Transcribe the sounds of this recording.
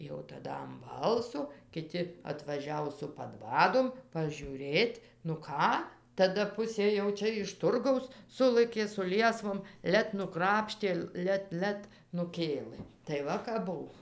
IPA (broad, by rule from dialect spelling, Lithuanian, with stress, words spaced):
ˈjɛʊ tɐˈdɐ ɐm ˈbɐlˠsoː kʲɪˈtʲɪ ɐtʋɐˈʒʲæːʋoː sʊ pɐˈdʋɑːdoːm pɐʒʲuːˈrʲeːtʲ nʊ ˈkɑː tɐˈdɐ ˈpʊsʲeː jɛʊ ˈt͡ʃʲɛ ɪʃ tʊrˈɡɐʊs ˈsʊlˠɘkʲeː sʊ ˈlʲiɛsʋoːm ˈlʲɛt nʊˈkrɑːpʲʃʲtʲeː ˈlʲɛt ˈlʲɛt nʊˈkʲeːlˠɘ tɐɪ ˈʋɐ kɐp ˈbʊw